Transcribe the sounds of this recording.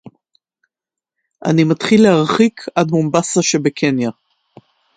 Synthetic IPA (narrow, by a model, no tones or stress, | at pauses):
ʔa̰nimatχilːehaʁχikʰadmombasaʃe̞bekʰenja